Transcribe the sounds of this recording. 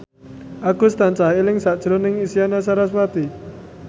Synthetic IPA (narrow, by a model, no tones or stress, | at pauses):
ʔaɡust̪ant͡ʃaɦelɪŋsaʔd̥ʒ̥ɾɔnɪŋisianasaɾaswat̪i